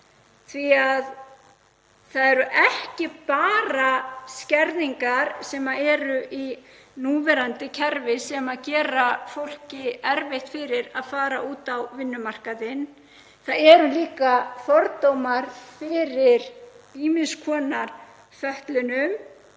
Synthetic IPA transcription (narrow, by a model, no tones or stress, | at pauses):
θviað | θaðɛɾʏʔɛhcɪpaːɾascɛɾðiŋkaɾ̥sɛːmaɛːɾʏʔi | nuːvɛɾant̪ɪcʰɛɾvɪsɛmaðcɛːɾafowl̥cɪɛɾveht̪fɪɾɪɾaðfaːɾa̰ʔuːt̪awvɪnːʏmar̥kaðɪn | θaðɛɾʏliːkaθɔɾt̪owmaɾfɪɾɪɾ | iːmɪnskʰɔːnaɾ̥ | fœht̪lʏnʏm